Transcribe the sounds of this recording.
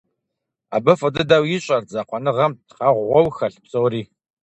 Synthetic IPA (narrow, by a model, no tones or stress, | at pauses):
a̰ːbɐfɐdɨdawjɪɕʼɐrzaːqʷʰɔnɨʁɐmtqɑʁʷʁʷɔwxɐɬpsʼowriː